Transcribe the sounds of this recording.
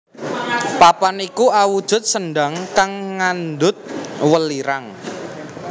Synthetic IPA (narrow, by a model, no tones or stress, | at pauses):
papanikuawud̥ʒ̥ʊ̤t̪̚sənɖaŋkaŋːand̪ʊt̪̚wəliɾaŋ